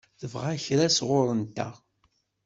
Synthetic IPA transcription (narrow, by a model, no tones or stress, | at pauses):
ðəvʁæçɾæsʁʊɾˤənt̪æ̰